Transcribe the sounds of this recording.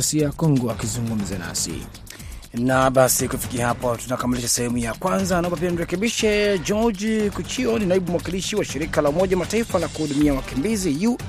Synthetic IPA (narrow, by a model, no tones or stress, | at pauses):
siakɔŋɡuakizuŋɡum̩zana̰sḭ | naɓasikufi̥kiahapɔtunakamiliʃasɛhɛmujakwanzanaɔmbap̬ianiɾɛkɛɓiʃɛd͡ʒɔd͡ʒkut͡ʃiɔninaiɓum̩wakiliʃiwaʃiɾikalaumɔʄawamataifalakuhuɗumiawakimbiziju